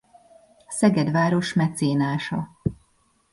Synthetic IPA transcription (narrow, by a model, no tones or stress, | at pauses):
ɒsɛɡɛd̪ʋaːɾo̞ʃmɛt̪seːnaːʃɒ